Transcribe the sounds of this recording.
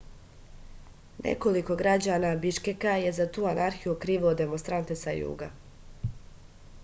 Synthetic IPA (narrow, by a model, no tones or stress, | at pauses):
nḛko̞liko̞ɡɾad͡ʑaːnabiʃkekaje̞zat̪uːanʔaɾxijukɾiːʋood̪e̞monst̪ɾant̪e̞sajṵːɡa̰